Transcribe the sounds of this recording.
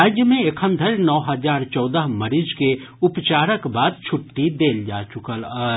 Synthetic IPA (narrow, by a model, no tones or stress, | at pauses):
aːd͡ʒjəmẽekʰə̃nd̪ʱəlnɔːɦəzaːɾt͡ʃɔːd̪əɦməɾid͡ʒkeʊpt͡ʃaːɾəkbaːd̪̚t͡ʃʰʊʈːid̪eːld͡ʒaːt͡ʃʊkələ